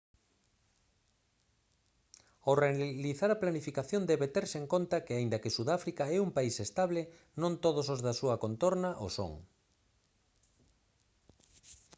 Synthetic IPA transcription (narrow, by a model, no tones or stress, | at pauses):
oreliθaɾɐplanifikaθjond̪ɛβet̪ɛɾseŋkont̪ɐkɪaind̪ɐkesuðafɾikaɛumpaisest̪aβle | nõnt̪oðosozðasuɐkont̪oɾnaʔo̰so̰ŋ